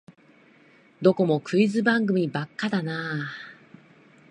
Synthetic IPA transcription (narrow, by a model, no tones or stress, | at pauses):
d̪o̞ko̞mo̞kɯ̟izɨbãŋɡɯ̟mʲibakːad̪anaː